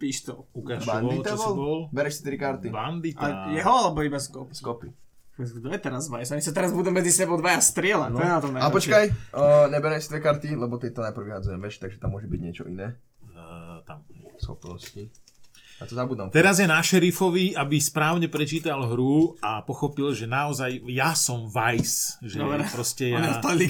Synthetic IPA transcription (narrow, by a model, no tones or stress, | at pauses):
piːʃt̪ɔukabanit̪abɔlbɔlbɛɾɛʃst̪iɾikaɾt̪iband̪itaɛjɛɦɔalɛbɔibaskɔpskɔpi | ɛɡd̪ɔjɛt̪ɛɾazʋajɛsaɲisat̪ɛɾazbuːd̪ɛmːɛd͡zisɛbɔd̪ʋajast̪ɾɪɛlanɔjɛnat̪ɔmnaapɔt͡ʃkajɲɛbɛɾɛʃsit̪ʋɛkaɾt̪ilɛbɔk̪ɛc̚t̪ɔnajpɾ̩wʋiɦad͡zujɛmʋɛt͡ʃt̪aɡʒɛt̪amːʊɔʒɛbiɟɲɪɛt͡ʃɔ̰ʔinɛː | t̪a̰msxɔ̰pnɔsci | jat̪ɔzabuːd̪a̰mt̪ɛɾazjɛnaʃɛɾifɔʋiabispɾaːʊɲɛpɾɛt͡ʃiːt̪alɦɾuapɔxɔpilʒɛnaɔzajːasɔmʋajsʒɛpɾɔscɛjaali